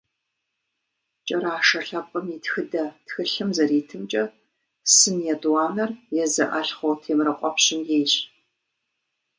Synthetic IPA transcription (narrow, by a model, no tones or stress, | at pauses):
t͡ʃʼɐɾaːʂɐɬɐp̚ʼəmitxɨdɐtxɨɬɨmzɐɾiːtʰɨmt͡ʃʼɐ | sɨnjɛdwɑːnɐrjɛzɐʔɐɬχʷowtʰeːmrɐqʷʼɔpɕɪmjeːjɕ